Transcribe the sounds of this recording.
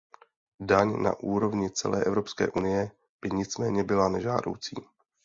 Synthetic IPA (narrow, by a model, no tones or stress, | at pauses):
daɲna̰ʔuːɾo̞vɲɪt͡sɛ̰lɛ̰ːʔɛvɾo̞pskɛ̰ːʔunɪjɛ | b̥ɪɲɪt͡smɛːɲɛbɪlanɛʒa̰ːdo̞̰wt͡sḭː